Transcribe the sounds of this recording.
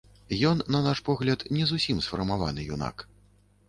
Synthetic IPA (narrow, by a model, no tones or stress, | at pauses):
jɔnːɐnaʂpɔɣlʲɐt̪nʲɛzusʲimsfɐrmava̰nɨjuna̰k